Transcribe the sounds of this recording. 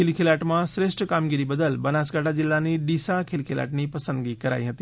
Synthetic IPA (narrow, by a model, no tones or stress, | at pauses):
ɪlkʰɪlaːʈmãsɾeːʃʈkaːmɡiɾibɐd̪əlbɐnaːsɡaːʈʰad͡ʑɪlːanĩɗiːsakʰɪlkʰela̰ːʈnipɐsə̃nd̪ɡikɐɾa̰ːiɦɐt̪i